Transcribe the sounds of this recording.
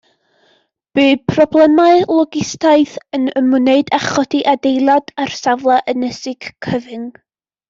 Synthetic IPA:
b̥ɨːpʰrɔblˠɛmaɨlˠɔɡɪstajθənəmʊneɨdaχɔdiʔadejlˠadarsavlˠaʔənɛsɪɡ̥kʰəvɪŋ

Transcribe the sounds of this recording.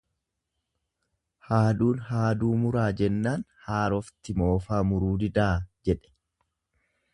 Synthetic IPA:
haːd̪uːnhaːd̪uːmʊɾaːd͡ʒɛnːaːnhaːɾɔft̪ɪmo̞ːfaːmʊɾuːd̪ɪd̪aːd͡ʒɛᶑɛ̥

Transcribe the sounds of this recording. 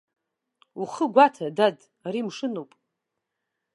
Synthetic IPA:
uχəɡʷatʰadad | rimʂɨnowpʼ

